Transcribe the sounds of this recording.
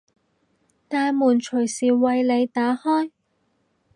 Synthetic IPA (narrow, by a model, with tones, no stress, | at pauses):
t̪aː˧jmuː˨˩nt͡ʃʰɵ˨˩ɥsiː˨˩wɐ˨˧jle˨˧jt̪aː˨˥hɔː˥j